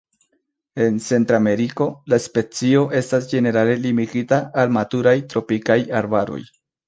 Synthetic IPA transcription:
e̞nt͡se̞ntɾame̞ɾiko̞laspe̞t͡sio̞ʔe̞stasd͡ʒe̞ne̞ɾale̞limiɡitaalmatuɾajtɾo̞pikajaɾbaɾo̞̰j

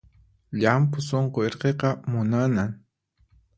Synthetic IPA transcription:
ʎampʊsoɴqoeɾqeqɑmʊnanaŋ

